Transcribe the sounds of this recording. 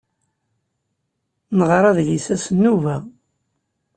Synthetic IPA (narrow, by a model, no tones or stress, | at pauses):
nəʁɾˤɑðlisæsnːuvæ